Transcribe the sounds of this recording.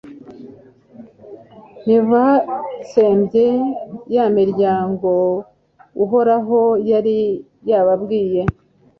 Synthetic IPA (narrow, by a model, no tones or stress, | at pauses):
nivase̞ːmbɟejamiɾɟaːŋɡo̞ | uɦo̞ɾaɦo̞jaɾi | jaβabɡiːje̞